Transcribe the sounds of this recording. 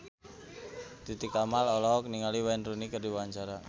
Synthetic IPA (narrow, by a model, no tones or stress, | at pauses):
t̪it̪ikamalɔlɔkniŋaliwanrunikərdiwaɲt͡ʃaɾa